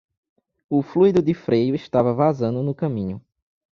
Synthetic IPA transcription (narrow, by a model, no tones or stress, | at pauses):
ʊflujd̪ʊd̪ɪfɾejʊɪʃt̪avɐvazɐ̃nd̪ʊnʊkɐ̃mĩɲʊ